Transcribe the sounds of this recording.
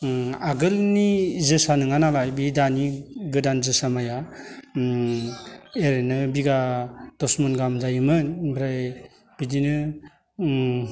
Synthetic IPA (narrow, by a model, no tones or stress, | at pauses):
aɡɯlnizɯsanɯŋanalajbidaniɡɯdanzɯsamaja | eɾenɯbiɡad̥ɔsmɔnɡamzajɯmɯnbɾaj | b̥idinɯ